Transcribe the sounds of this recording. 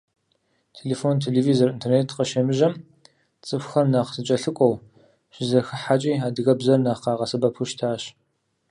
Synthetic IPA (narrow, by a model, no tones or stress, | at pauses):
tʰeleːfoːntʰeːleːviːzorintʰerneːtʰqɐʃɐmɨʒɐm | t͡sʼɨfʷxɐrnɐqsɨt͡ʃʼɐɬɨkʷʼɔw | ɕɪzɐxɨħat͡ʃʼiːaːdɨɣɐbzɐrnɐχqɑːʁɐsɐbɐpʰuʃtʰaːɕ